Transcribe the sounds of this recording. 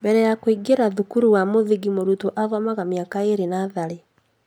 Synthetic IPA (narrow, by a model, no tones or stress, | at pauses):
mbɛɾɛjakoiɡeɾaðukuɾuwamoðiɡimoɾutoʔaðwamaɣamiakaeɾenaðaɾe